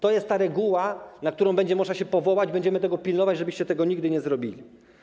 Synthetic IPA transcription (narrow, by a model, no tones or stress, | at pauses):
t̪ɔjɛst̪t̪ːaɾɛɡuwanak̚t̪uɾɔw̃bɛɲd͡ʑɛmɔʐnaɕɛpɔvɔwad͡ʑbɛɲd͡ʑɛmɘt̪ɛɡɔpʲilnɔvad͡ʑʐɛbɘɕt͡ɕɛt̪ɛɡɔɲiɡd̪ɘɲɛzɾɔbʲilʲi